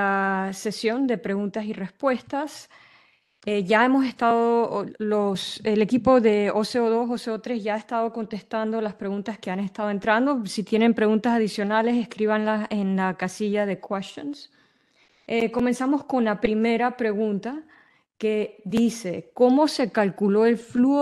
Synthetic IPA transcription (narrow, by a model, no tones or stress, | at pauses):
ase̞sjo̞nd̪e̞pɾe̞ɣunt̪asire̞spwe̞st̪as | eʝae̞mo̞s̬e̞st̪aðolosele̞kipo̞ðe̞oseoðo̞soseot̪ɾe̞zʝaːest̪aðo̞ko̞nt̪e̞st̪and̪o̞laspɾe̞ɣunt̪aske̞ane̞st̪að̞oe̞nt̪ɾand̪o̞sit̪je̞ne̞mpɾe̞ɣunt̪asaðisjo̞nale̞se̞skɾiβanlase̞nlakasiʝað̞e̞kwest̪jons | eko̞me̞nsamo̞sko̞nlapɾime̞ɾapɾe̞ɣunt̪a | ke̞ðise̞ko̞mo̞se̞kalkulo̞e̞lfluo